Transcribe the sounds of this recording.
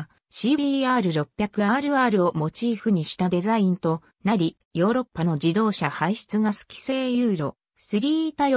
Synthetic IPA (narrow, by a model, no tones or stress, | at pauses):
ɕiːiːaːɾɯ̟ɾo̞pʲːjakɯ̟aːɾɯ̟aːɾɯ̟o̞mo̞t͡ɕiːɸɯ̟ɲ̟iɕi̥t̪ad̪e̞zaĩnt̪o̞ | naɾʲi | jo̞ːɾo̞pːano̞d͡ʑid̪o̞ːɕahaiɕi̥t͡sɨɡasɨ̥kʲi̥seːjɯ̟ːɾo̞̰ | sɨɾʲiːt̪a